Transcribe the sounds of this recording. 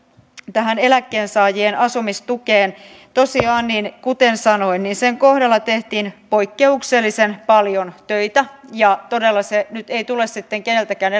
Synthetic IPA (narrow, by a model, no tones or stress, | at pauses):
t̪æɦæne̞lækːeːnsɑːjienʔɑsumist̪ukeːn | t̪osiɑːnninkut̪ensɑnoinniːnseŋkohdɑlːɑt̪eht̪iːnpoikːeukselːisenpɑljont̪øit̪æjɑt̪odelːɑsenyt̪eit̪ulessit̪ːeŋkenelt̪ækæːn